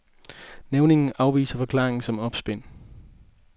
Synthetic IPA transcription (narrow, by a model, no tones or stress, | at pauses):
neʊne̝ŋn̩ʔɑ̈ʊʋḭːsɐfɒ̽kʰl̥ɑ̈ːʁeŋ̩sɒ̽mɒ̽b̥sb̥en̰